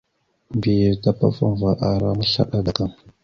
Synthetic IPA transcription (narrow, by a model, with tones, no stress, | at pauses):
vi˨jə˨ta˨pa̰˦fa̰˦m˨va˨ʔa˨ɾa˦ma˦ɬa̰˨ɗa˦da˨ka˨m